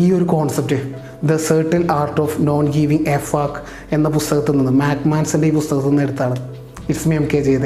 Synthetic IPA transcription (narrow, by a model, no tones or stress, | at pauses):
iːo̞ɾukoːɳsɐp̚ʈɨ | d̪ɐsɐːʈːɐnaːrʈːoːfno̞ːnɡiːʋiŋefaːk | e̞nːɐpust̪ɐɣɐt̪ːenːinːɨmaːkmaːnsindeiːpust̪ɐɣɐt̪ːenːeɽut̪ːaːɳɨ | ismemkːeːt͡ɕe̞jt̪ɨ